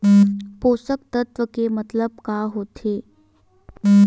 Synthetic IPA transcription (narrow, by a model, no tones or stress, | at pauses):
posək̚t̪ət̪ʋəkemət̪ləb̚kaɦot̪ʰe